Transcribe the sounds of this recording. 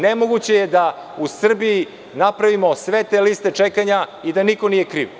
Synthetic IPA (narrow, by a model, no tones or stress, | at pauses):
nemo̞ɡut͡ɕe̞jed̪a | usr̩biji | napɾaʋimo̞sʋe̞t̪eliːst̪e̞t͡ʂekaɲaid̪aniko̞nijekɾḭːʋ